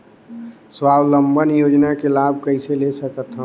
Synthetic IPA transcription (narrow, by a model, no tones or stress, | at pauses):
swaːwləmbʱənjoːd͡ʒnakelaːbʱkəɪselesəkət̪ɦə